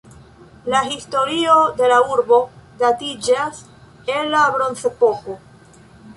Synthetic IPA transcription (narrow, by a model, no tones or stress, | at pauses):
laɦisto̞ɾiod̪e̞lauɾbo̞datid͡ʒas | enːabɾo̞nse̞po̞ko